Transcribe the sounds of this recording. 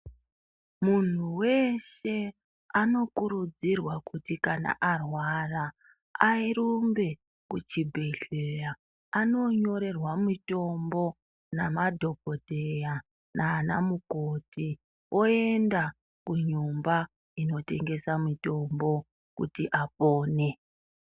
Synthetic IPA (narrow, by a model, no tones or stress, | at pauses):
mun̤uwe̞ʃe̞ | ano̞kuɾud͡zirwakutikana̰ʔarwara | airumbe̞ | kut͡ʃibʱe̞ɬeja | ano̞ɲo̞ɾe̞rwamito̞mbo̞ | namadʱo̞bʱodʱeja | naːnamukoti | o̞enda | kuɲumba | ino̞te̞ŋɡe̞samito̞mbo̞ | kṵtiʔapoːne̞